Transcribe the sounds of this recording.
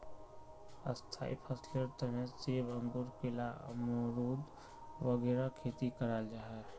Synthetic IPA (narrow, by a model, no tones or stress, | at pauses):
ə̰st̪ʰa̰ːḭpʰəsləɾt̪əneseːbə̃ŋɡuɾkɪlaə̰mɾuːd̪ | ʋəɡɛːɾakʰeːt̪ikəɾaːld͡ʒaːɦɛ